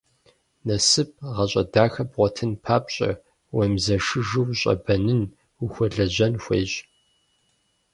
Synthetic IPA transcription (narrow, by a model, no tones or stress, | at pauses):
nɐsɨp̚ʰʁɐɕʼɐdaːxɐpʁʷɔtʰɨnpʰaːpʼɕʼɐ̰ | wɐmzɐʂɨʒɨwɕʼɐ̰bɐnɨn | uxʷɔɮɐʑɐnxʷḛːɕʼ